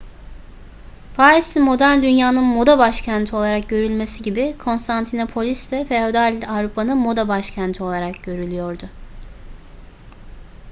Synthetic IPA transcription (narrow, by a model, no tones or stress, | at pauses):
pʰaːɾisimo̞d̪æɾnd̪ynjaːnɯnmo̞d̪abaʃcʰænt̪ʰio̞lˠaɾak̚ɟø̞ɾylʲme̞siɟibikʰo̞nst̪ʰant̪ʰinopʰo̞lʲisd̪ɛfeo̞d̪alʲavɾupʰanɯnmo̞d̪abaʃcʰænt̪ʰio̞lˠaɾakɟø̞ɾylʲyjo̞ɾd̪ʊ